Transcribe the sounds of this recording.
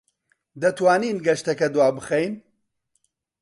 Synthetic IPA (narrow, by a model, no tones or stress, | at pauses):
d̪ɐt̪waːniːnɡɐʃt̪ɐkɐd̪waːbɨχejn